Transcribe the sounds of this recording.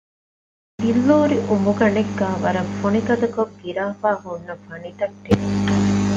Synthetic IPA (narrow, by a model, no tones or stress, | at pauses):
bilːoːɾiʔumuɡɐneɡːaːʋɐɾɐfonikɐd̪ɐkoɡiɾaːfaːhunːɐfɐnit̪ɐʈːeni